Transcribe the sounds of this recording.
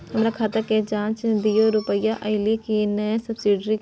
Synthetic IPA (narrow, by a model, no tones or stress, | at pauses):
hɐmɾakʰaːt̪aked͡ʒãːt͡ʃd̪ijoɾʊpəjaʔɐɪlikinəsɐbsiɖɾi